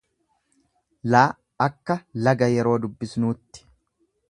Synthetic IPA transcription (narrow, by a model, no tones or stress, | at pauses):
laː | ɐkːɐlɐɡɐjɛɾo̞ːd̪ʊbːɪsnuːt̪ːɪ̥